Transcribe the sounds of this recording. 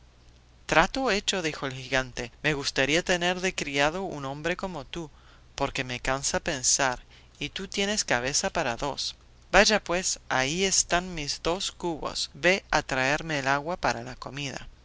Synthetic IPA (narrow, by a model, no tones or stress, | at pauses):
t̪ɾat̪oet͡ʃo̞ðixo̞elxiɣant̪e̞me̞ɣust̪aɾiat̪e̞neɾðekɾiaðo̞unõ̞mbɾe̞ko̞mo̞t̪u | po̞ɾke̞me̞kansape̞nsaɾ | it̪ut̪je̞ne̞skaβ̞e̞sapaɾaðo̞s | baʒapwe̞saiest̪anmizðo̞skuβo̞̰sβe̞at̪ɾae̞ɾmeːlaɣwapaɾalako̞mið̞a̰